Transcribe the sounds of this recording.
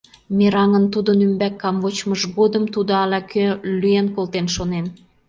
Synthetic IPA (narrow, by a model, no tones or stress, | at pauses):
miɾɑŋənt̪ud̪ənymbækːɑmvot͡ɕməʒɣod̪əmt̪ud̪oɑlɑkʰølyenkolt̪enʃonen